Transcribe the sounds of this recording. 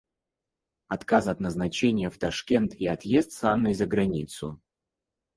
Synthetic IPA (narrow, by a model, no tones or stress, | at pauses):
ɐt̪kasɐt̪nəznɐt͡ɕenʲɪjəft̪ɐʂkʲent̪iɐt̪jest̪sanːəjzəɡɾɐnʲḭt̪sʊ̰